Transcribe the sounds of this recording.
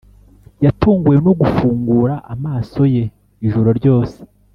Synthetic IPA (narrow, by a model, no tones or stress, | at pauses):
jatuːŋɡujenoɡufuːŋɡuːɾaʔamaːso̞je̞ | iʒuɾo̞ɾɟo̞ːse̥